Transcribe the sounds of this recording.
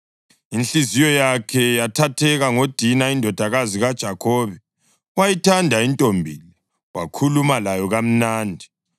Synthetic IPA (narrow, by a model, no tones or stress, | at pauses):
inɬizijɔjakʰɛjatʰatʰɛɣaŋod̥ʱinaindʱɔd̥ʱaɣaziɣad̥ʒ̥ʱakʰɔːβɛ | wajitʰandʱaintʼombʱiːlɛ | wa̰kʰulumalajɔɣam̩naːndʱi